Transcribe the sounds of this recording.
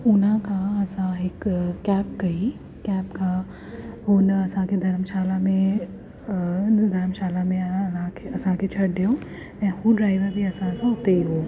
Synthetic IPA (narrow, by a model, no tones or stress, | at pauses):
ʊnãkaɐsãekkɛːp̚ɡɐi | kɛːpka | ɦoːnɐɐsãked̪ʱɐɾəmʃaːlamẽ | d̪ʱɐɾəmʃaːlamẽɐãkeɐsãket͡ʃʰɐɽd̪eoː | ɛ̃huɖɾaːɪʋəɾbʱiɐsãɐsãɦoːt̪eiɦoː